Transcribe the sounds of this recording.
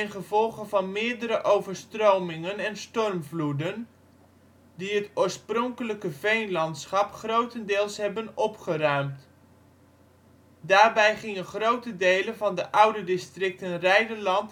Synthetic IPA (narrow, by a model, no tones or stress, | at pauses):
ɪnχəvɔlˠχənvɑnmɪːɹdəɾəʔowvəɹstrowmɪŋənɛnstɔrmvludən | diɦətʊːɹsprɔŋkələkəvejnlɑntsχɑpχrowtəndɪːlˠsɦɛbənɔpχərœɥmt | daːɹbɛjχɪŋəχrowtədejlənvɑndəʔʌwdədɪstrɪk̚tənrɛjdəɹlɑnt